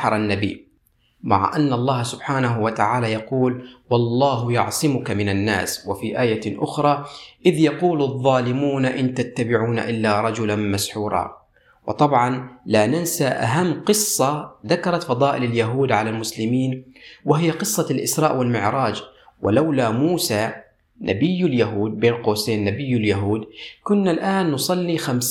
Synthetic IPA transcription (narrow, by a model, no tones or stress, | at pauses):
ɑɾˤanːabḭː | ma̰ʕa̰ʔanːʔɑlˤːɑːhsʊbħaːnaɦwat̪aʕaːlaːjɑquːlwɑlˤːɑːɦʊjʊ̰ʕsˤɨmʊkamɪnanːa̰ːswafiʔaːjaʔʊxɾˤɑːʔɪðjɑquːlɑðˤːɑːlɪmuːnaʔɪnt̪at̪ːabɪʕuːna̰ʔɪlːaɾˤɑd͡ʒʊlanmasħuːɾˤɑ̰ | wɨ̰t̪ˤɑbʕɑnlanansaʔa̰ɦamːqɨsˤːɑðakɑɾˤɑt̪fɑðˤɑːʔɪlaljaɦuːd̪ʕalalmʊslɪmiːnwɪhɪjːaqɨsˤːɑlʔɪsɾˤɑːʔwɪlmɪʕɾˤɑːd͡ʒwʔɪ̰lawlamuːsaː | nʔa̰bɪjːɪljaɦuːd̪̚beːnqoːseːnːabɪjːɪljaɦuːd̪kʊnːalʔaːnːʊsˤɑlːixams